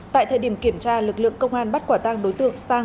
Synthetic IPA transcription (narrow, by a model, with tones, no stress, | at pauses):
t̪a̰ː˧˨jt̪ʰəː˧˩jɗi˧˩əmki˧˩əmt͡ɕaː˧lɨ˨˩k̚lɨ̰˧˨əŋkə˧wŋ͡mʔaː˧nɓa˦˥t̚kwaː˧˩t̪a˧ŋɗo˨˦jt̪ɨ̰˧˨əŋsaː˧